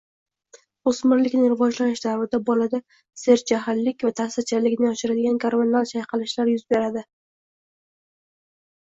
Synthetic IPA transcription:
osmɪɾlɪkʲnɪɾɪvɒd͡ʒlanɪʃd̪aɾvɪd̪abɒlad̪a | se̞ɾd͡ʒaɦalːɪkʲvat̪ʰasat͡ʃʰalːɪkʲnɪɒʃɪɾad̪ɪɡʲankʰaɾmanalt͡ʃʰajqʰɨlˠɪʃlaɾjʊzbe̞ɾad̪ɪ

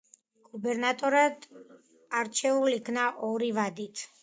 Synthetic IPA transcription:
ɡ̥ubɛɾnat̪ʼɔɾad̪ | aɾt͡ʃʰɛulikʰnaʔɔɾivad̪it̪ʰ

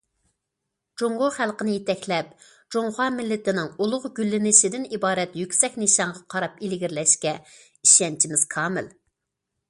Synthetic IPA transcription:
d͡ʒoŋɡʊχælˠqənɪjet̪ɛkʲlɛp | d͡ʒoŋχɑmɪlːɪt̪ɪnɪŋulˠʊʁɡʲylːɪnɪʃid̪ɪnibɑːɾɛt̪jykʲsɛkʲniʃɑɴʁɑqʰɑɾɑpilɪɡʲiɾlɛʃkʲɛ | iʃɛnt͡ʃʰimɪz̥kʰɑːmɪ̰l

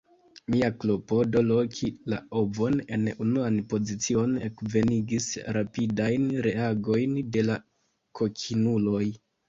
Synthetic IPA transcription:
miaklopo̞do̞lo̞kʰila̰o̞vo̞ne̞̰nunuanpo̞zit͡sio̞ne̞kve̞niɡisɾapidajnɾe̞aɡo̞jnde̞la | kʰo̞kʰinulo̞j

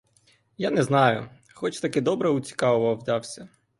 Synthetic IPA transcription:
janɛznɑjʊ | xɔt͡ʃt̪ɐkɪd̪ɔbɾɛʊt͡sʲi̥kɑʋʊʋɐwd̪ɑwsʲɐ

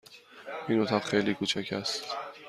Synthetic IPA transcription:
iːnot̪ʰɒbxejliːkʰuːt͡ʃʰæcʰæst̪

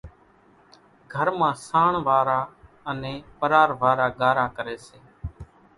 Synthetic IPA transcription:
ɡʱəɾmãːsaːɳʋaːɾaː | əneːpəɾaːɾʋaːɾaːɡaːɾaːkəɾeːseː

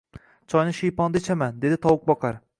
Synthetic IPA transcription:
t͡ʃʰɒjnɪʃijpɒnd̪et͡ʃʰamand̪e̞d̪ɪt̪ʰɒwʊk̚bɒqʰɑɾ

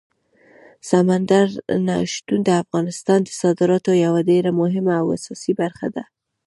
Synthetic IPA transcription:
samand̪aɾna̰ʃt̪und̪əafɣɑnɪst̪ɑnd̪əsɑd̪ɪɾɑt̪ojawaɖeɾamʊɦɪmaːwa̰sɑsibaɾxa̰d̪a

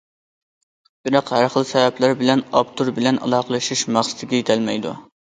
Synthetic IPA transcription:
b̥iɾɑqhæɾχəlˠsɛvɛplæɾbɪlɛnɑpt̪ʰuɾbɪlɛnʔɑ̰lˠɑːqʰəlˠɨʃiʃmɑχsɨ̥t̪ʰɪɡʲɛjet̪ʰɛlmɛjd̪ṵ

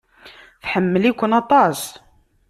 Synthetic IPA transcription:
θħəmːəlikʷːənɑt̪ˤɑs

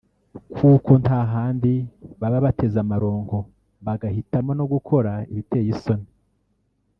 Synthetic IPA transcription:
kʰuːko̞ntaɦaːndiβaβaβate̞zamaɾo̞ːŋɡo̞ | βaɡahitamonoɡukʰo̞ɾaiβite̞jiso̞ni

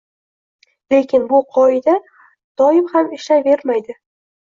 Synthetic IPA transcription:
le̞kʲʰɪnbʊqʰɒɪd̪a | d̪̥ɒɪmhamɪʃlave̞ɾmajd̪ɪ

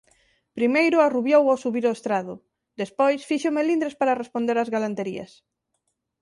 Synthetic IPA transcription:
pɾimejɾʊaruβjowawsuβiɾoest̪ɾaðʊ | d̪espojsfiʃomelind̪ɾespaɾarespond̪eɾazɣalant̪eɾḭɐ̰s

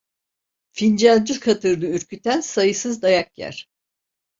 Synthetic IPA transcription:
find͡ʒand͡ʒukʰat̪ʰɯɾd̪ɯyɾcʰyt̪ænsajɯsɯzd̪ajak̚jæ̰ɾ̥

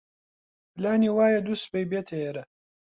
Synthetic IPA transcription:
plaːniːwaːjɐd̪uspejbeːt̪ʰejeɾɐ

